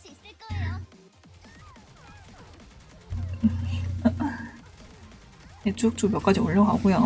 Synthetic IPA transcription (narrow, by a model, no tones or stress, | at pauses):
et͡ɕ͈ok̚t͡ɕ͈ubjʌk͈ad͡ʑioɭːjoŋɦaɡuja